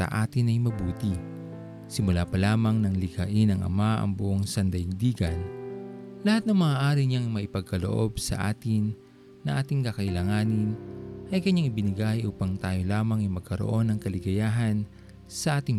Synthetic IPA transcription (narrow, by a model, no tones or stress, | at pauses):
ɐ̰ʔaːt̪ɪnɐjmɐbuːt̪i | sɪmʊlaːpɐlaːmɐŋnɐŋlɪɡɐʔɪnɐŋʔɐ̰maʔɐ̰ŋbʊʔoŋsɐnd̪ɐɪŋd̪iːɡɐn | lɐhat̪̚nɐŋmɐaːʔaːɾiɲaŋmɐʔɪpɐɡ̚kɐlo̰ʔo̞bsɐ̰ʔa̰ːt̪ɪnː | ɐʔaːt̪ɪŋkɐkɐʔɪlaːŋaːnɪnʔɐjkɐɲaŋɪbɪnɪɡajʔuːpɐŋt̪aːjo̞laːmɐŋɐjmɐɡ̚kɐɾo̰ʔo̞nɐŋkɐlɪɡɐjaːɦɐn | sɐʔaːt̪ɪŋ